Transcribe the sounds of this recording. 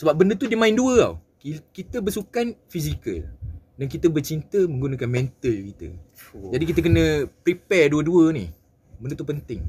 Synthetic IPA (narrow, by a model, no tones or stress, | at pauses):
səbap̚bəndət̪udəmãɪnduəa̰wkikit̪əbərsukanfiz̬ikə̰l | dankit̪əbərt͡ʃint̪əmə̃ŋɡunãkanmɛ̃nt̪əlkit̪ə̰d͡ʒadikit̪ək̬ənə̃pɾipɛrduəduənḭh | bəndət̪upənt̪ɪŋ